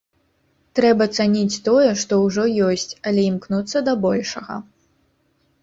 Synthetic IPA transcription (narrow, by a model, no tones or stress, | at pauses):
t̪ɾɛbɐt̪sanʲit͡sʲt̪ɔjɛʂt̪ɔwʐɔjɔsʲt͡sʲɐlʲɛimknut̪sːɐd̪ɐbɔlʲʂɐɣɐ̰